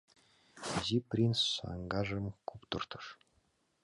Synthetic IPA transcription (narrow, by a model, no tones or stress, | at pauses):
zʲiprʲinsːɑ̰ŋɡɑʐɤ̆mkupt̪ɤ̆rt̪ɤ̆ʂ